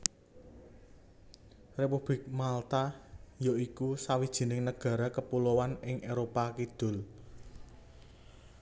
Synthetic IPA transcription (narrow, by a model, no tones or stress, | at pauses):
repub̥lɪk̚malt̪ajoikusawid̥ʒ̥i̤nɪŋnəɡ̥ä̤ɾakəpulowanɪŋʔeɾopakid̪̥ʊ̤l